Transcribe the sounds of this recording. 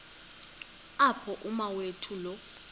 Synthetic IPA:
apʰɔʔumawetʰulɔ

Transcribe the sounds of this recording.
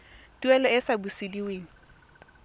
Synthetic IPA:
tuɛlɔɪsabusidiweːŋ̩

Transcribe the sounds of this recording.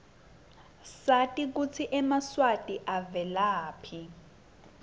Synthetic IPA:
satʼik̬ut͡sʰiʔɛmaswatʼiʔavɛlaːpʰi

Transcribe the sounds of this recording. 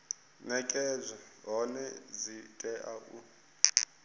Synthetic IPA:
nɛkʼɛzʷaɦɔnɛzitʼɛʔaʔu

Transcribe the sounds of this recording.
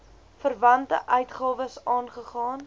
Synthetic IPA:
fərvɐntə̰ʔœɥtχɑːvəsɑːnχəχɑːn

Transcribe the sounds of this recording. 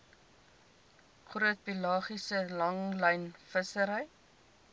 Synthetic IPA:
χruət̚pilɑːχisəlɐŋləjnfəsəɾəj

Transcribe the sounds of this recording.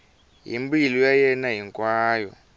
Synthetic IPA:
ɦḭmbilujajɛnaɦiŋkwaːjɔ̰

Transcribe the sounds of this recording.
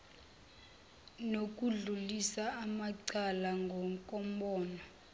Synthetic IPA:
nok̬ʼuɮulisaamaǀalaŋɡʱɔŋkʼɔmbɔːna

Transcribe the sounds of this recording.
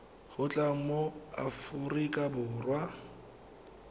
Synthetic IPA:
χʊt͡ɬʼaŋ̩moa̰fʊrikʼabʊːrwa

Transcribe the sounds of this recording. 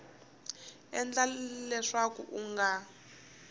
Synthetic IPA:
ɛnd͡ɮalɛʂakṵʔuŋɡa

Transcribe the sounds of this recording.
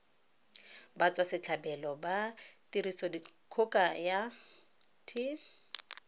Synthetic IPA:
bat͡sʼwasɪt͡ɬʰabɛlɔbatiɾisɔdikʰʊkʼaja | tʰi

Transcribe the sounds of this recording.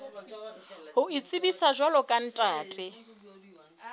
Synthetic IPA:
hʊit͡sʼɪbisaʒɔlɔkʼan̩tʼaːtʼɪ

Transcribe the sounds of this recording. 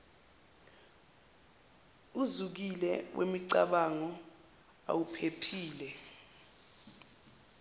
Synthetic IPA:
uzuk̬ilɛwʔḛmiǀa̰ɓaŋɔ | a̰wupʰepʰiːlɛ

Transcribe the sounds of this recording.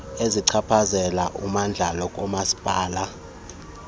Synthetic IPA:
eziǀʰapʰazɛlaʔumand͡ɮʱalɔkʼɔmasi̥b̥ʼʱaːla

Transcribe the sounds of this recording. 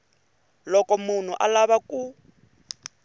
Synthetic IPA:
lɔkɔmun̤uʔa̰laβaku

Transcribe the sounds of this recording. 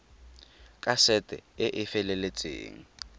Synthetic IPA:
kʼasɛtʼɛ̰ɪʔɪfɛlɛlet͡sʼḛːŋ̩

